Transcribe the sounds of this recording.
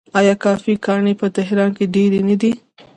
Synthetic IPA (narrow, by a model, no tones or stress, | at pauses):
ɑjɑkɑfikɑɳepət̪ɪɦɾɑnkeɖeɾenad̪i